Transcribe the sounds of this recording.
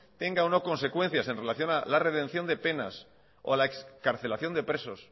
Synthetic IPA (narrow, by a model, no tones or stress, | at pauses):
t̪e̞ŋɡaono̞ko̞nse̞kwe̞n̟θjase̞nre̞laθjo̞nalare̞ðẽ̞n̟θjo̞nd̪e̞pe̞na̰s | olaekskaɾθe̞laθjo̞nd̪e̞pɾe̞so̞s